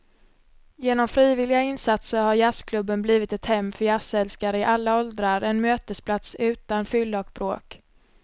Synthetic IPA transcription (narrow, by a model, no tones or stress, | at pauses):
jeːnɔmfɾiːvɪlɪɡaɪnsat̪səɾhaɾjaskʰlɵbːənbliːvɪt̪ɛt̪hɛmːfœjasɛlskaɾəɪʔalːaɔld̪ɾaɾɛnmøːt̪əspʰlat̪sʉ̟ːt̪anfʏld̪aɔk̚bɾoːk